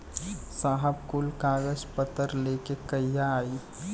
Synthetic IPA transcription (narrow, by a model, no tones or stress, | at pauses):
saːɦəb̚kʊlkaːɡəd͡ʒpət̪əɾleːkekəjːaaːiː